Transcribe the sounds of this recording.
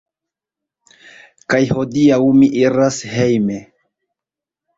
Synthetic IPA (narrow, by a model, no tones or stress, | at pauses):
kajho̞diawmiʔiɾashejme